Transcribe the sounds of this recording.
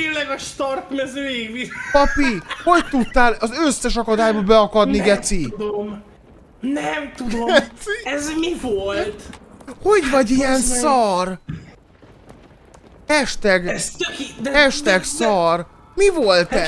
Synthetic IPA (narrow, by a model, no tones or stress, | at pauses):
elɛɡɒʃt̪ɒrt̪mɛzøːjiɡvipɒpiho̞ct̪ut̪ːaːlɒzøsːɛʃɒkɒd̪aːjbɒbɛɒkɒd̪niɡɛt̪sid̪om | nɛmt̪udoɛzmivolt̪ho̞ɟvɒɟijɛnsɒr | ɛʃt̪ɛɡɛskd̪ɛʃt̪ɛksɒr | mivolt̪ɛ